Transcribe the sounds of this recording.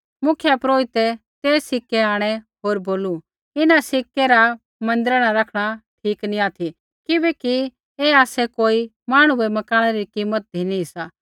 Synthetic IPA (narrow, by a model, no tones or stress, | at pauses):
mʊkʰjɛpɾoːɪt̪ɛt̪eːssɪkːɛaːɽ̃ɛɦoːɾboːlu | ɪnasɪkːɛɾa | mɐ̃nd̪ɪɾɽ̃aɾɐkʰɽ̃atʰiːknĩaːt̪ʰi | kɪbɛki | eaːsɛkoːi | maːɽ̃ũɛmɐkaːɽ̃ɛɾikiːmət̪̚d̪ʱinĩsaː